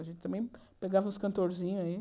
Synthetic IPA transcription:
ɐʒẽnt̪ɪ̥t̪ɐ̃mẽj̃peɡavɐũskɐ̃nt̪oɾzĩɲʊɐi

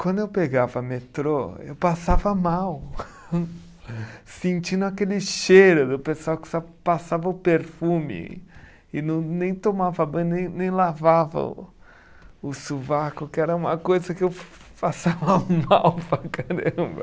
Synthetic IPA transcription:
kwɐ̃nd̪ʊewpeɡavɐmet̪ɾoewpasavɐmaw | sẽnt͡ʃĩnd̪ʊakelɪʃejɾʊd̪ʊpesʊawkɪ̥sɔwpasavɐʊpeɾfũmɪ̰ | ɪnɐ̃w̃nẽj̃t̪omavɐbɐ̃nẽj̃nẽj̃lavavɐ̰ | ʊsuvakʊkɪɛɾɐũmɐkojzɐkɪew | fasavɐmawpɾakaɾɐ̃bɐ̰

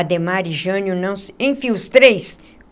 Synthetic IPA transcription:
d̪emaɾiʒɐ̃njʊnɐ̃w̃sẽj̃fĩʊst̪ɾejs

